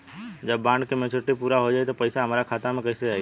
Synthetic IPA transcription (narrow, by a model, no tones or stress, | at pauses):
d͡ʒəbːãːɳɖkemẽt͡ʃʰoʈːipuːɾaɦod͡ʒaet̪opəɪsaɦəmaːɾakʰaːt̪amẽkəɪseaːj